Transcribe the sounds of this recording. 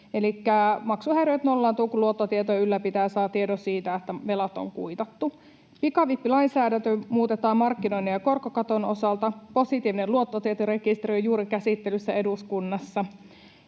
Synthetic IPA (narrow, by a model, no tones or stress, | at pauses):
elikːæmɑksuhæjɾøjt̪nolːɑːnt̪uːkuluot̪ːot̪iet̪ojɑylːæpit̪æːsɑːt̪iedosiːt̪æet̪ːæʋelɑt̪o̰ŋkuit̪ɑt̪ːu | pikɑʋipːilɑinsæːdænt̪ømuːt̪et̪ɑːmmɑrkːino̞inːejɑkorkokɑt̪onosɑlt̪ɑposit̪iːʋineluot̪ːot̪iet̪ore̞kist̪eriojuːɾikæsit̪ːelysːæe̞duskunːɑsːɑ